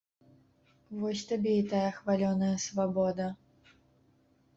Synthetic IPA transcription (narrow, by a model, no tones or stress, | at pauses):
vɔsʲt̪abʲɛit̪ajɐxvalʲɔnɐjɐsvabɔd̪ɐ